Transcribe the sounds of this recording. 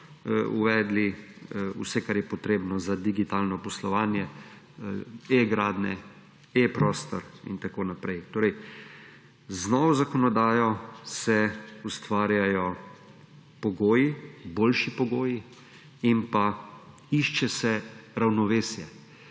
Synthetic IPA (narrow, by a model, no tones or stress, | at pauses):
ṵʋɛːd̪liṵsɛkaɾjɛpɔt̪ɾeːbnɔzad̪iɡit̪aːlnɔpɔslɔʋaːnjɛ | eɡɾaːd̪nɛ | epɾɔːst̪ɔɾḭnt̪akoːnapɾɛjt̪oːɾɛj | znɔʋɔzakɔnɔd̪aːjɔsɛust̪ʋaːɾjajɔ | pɔɡoːjiboːlʃipɔɡoːji | inpa | iʃt͡ʃɛsɛɾawnɔʋeːsjɛ